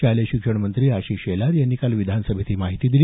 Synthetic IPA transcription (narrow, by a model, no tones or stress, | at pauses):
aleɕikʂəɳmənt̪ɾiːaɕiːɕelaɾjanːiːkalʋid̪ʱansəbʱet̪iːmaɦit̪iːd̪ilː